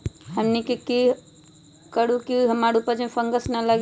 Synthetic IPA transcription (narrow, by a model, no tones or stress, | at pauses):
həmnikiki | kəɽukiɦəmaɽupəd͡ʒmẽfʰəŋɡəsnələɡ